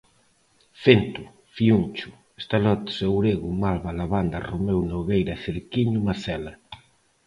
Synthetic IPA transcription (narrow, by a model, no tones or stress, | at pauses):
fent̪ʊ | fiunt͡ʃʊ̥ | est̪alɔt̪sewɾeɣʊmalβalaβand̪ɐromewnoɣejɾɐθeɾkiɲʊmaθɛlɐ